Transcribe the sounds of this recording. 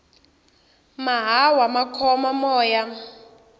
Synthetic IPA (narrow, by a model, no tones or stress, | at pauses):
maɦawamakʰɔmamɔːja